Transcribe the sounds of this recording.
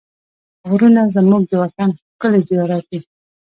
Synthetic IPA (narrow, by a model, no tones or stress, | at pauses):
ɣɾunazəmuɡ̚d̪əwat̪anxkəlezijɑɾat̪i